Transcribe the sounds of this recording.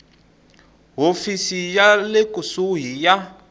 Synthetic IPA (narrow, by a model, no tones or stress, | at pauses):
ɦofisijalekusuɦija